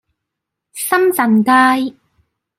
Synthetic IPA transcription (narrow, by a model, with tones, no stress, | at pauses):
sɐ˥mt͡sɐ˨˩nkaː˥j